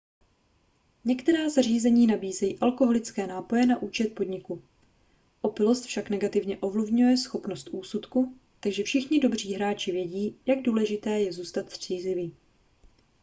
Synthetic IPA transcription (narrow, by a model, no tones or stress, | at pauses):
ɲɛkt̪ɛɾaːzar̝iːzɛɲiːnabiːzɛjiːʔalko̞ɦo̞lɪt͡skɛːnaːpo̞jɛnaʔuːt͡ʃɛt̪̚po̞dɲɪku | ʔo̞pɪlo̞st̪fʃaknɛɡat̪ɪvɲɛʔo̞vlɪvɲujɛsxo̞pnost̪ʔuːsut̪ku | t̪aɡʒɛfʃɪxɲɪdo̞br̝iːɦɾaːt͡ʃɪvjɛɟiːjaɡ̚duːlɛʒɪt̪ɛːjɛzuːst̪at̪sr̝̥iːzlɪviː